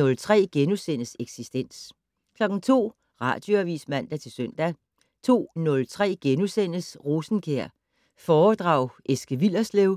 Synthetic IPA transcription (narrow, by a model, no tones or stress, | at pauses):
ɔ̽lt͡sʰʁɛ̰ːɡ̥enusen̰əseɡ̥sisd̥en̰s | kʰlɒ̽ɡ̥ŋ̩t͡sʰo̝̰ː | ʁɑ̰̈ːd̥jo̝æʋḭsmæn̰d̥æt͡sʰe̝lsøn̰d̥æ | t͡sʰo̝̰ːnɔ̽lt͡sʰʁɛ̰ːɡ̥enusen̰əsʁoːsn̩kʰeɐ̰ | fɒːd̥ʁɑ̈ʊ̰ʔesɡ̥əʋil̰ɐsleʊ